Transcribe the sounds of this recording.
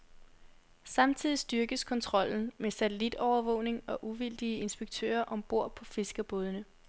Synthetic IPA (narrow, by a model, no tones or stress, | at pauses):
sɑ̈mt͡sʰið̞̰ˠisd̥yɐɡ̥əskʰɒ̽nt͡sʰʁɒ̽l̰n̩mesæt͡sʰelid̥ɒʊɐʋɔ̰̽ʊ̰ne̝ŋɒ̽ʔuʋild̥iəe̝nsb̥eɡ̥t͡sʰø̰ːɐʔɒ̽mb̥o̝ɐ̰pʰɒ̽fe̝sɡ̥ɐb̥oːðˠənə